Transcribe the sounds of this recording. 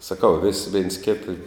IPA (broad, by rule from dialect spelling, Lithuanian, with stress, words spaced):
sɐˈkɐʊ ʋʲɪs ʋʲeːns ˈkʲeːtɐ